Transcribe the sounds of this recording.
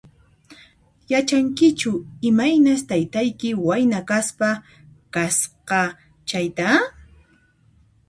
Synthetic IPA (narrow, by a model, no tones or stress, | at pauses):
jat͡ʃaŋkɪt͡ʃʊɪmajnast̪ajt̪ajkɪwajnakaspa | kasqɑ | t͡ʃajt̪a